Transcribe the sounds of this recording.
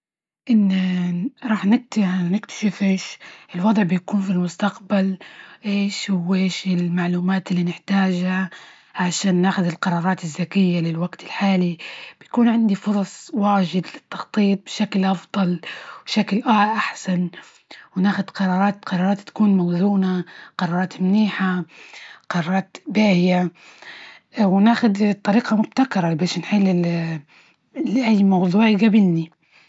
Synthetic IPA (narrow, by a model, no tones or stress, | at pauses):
ʔɪnːaɾˤɑːħnɪk̚t̪anɪkt̪ʰḁʃɪfʔeːʃʔɪlwɑd̪ˤʕbɪjakuːnfilmʊst̪aqbalʔeːʃhʊweːʃɪlmaʕluːmaːt̪ɪlːinɪħt̪aːʒha | ʕaʃaːnːaːxʊd̪ɪlqɑɾˤɑːɾˤɑːt̪ɪzːakɪjːalɪlwaɡt̪ɪlħaːlib̥ɪjakuːnʕɪnd̪ifʊɾˤɑsˤwaːʒɪd̪lɪt̪ːɑxt̪ˤiːt̪̚bɪʃaklʔɑfd̪ˤɑlwʃaklʔaʔaħsan | wnaːxʊd̪qɑɾˤɑːɾˤɑːt̪qɑɾˤɑːɾˤɑːt̪ːḁkuːnmawzuːnaqɑɾˤɑːɾˤɑːt̪mniːħa | qɑɾˤɑːɾˤɑːt̪baːhɪja | wɪnaːxʊd̪t̪ˤːɑɾiːqɑmʊb̚t̪akɾˤɑbeːʃnħɪlːɪ | lʔajːmɑwðˤuːʕɡabɪlni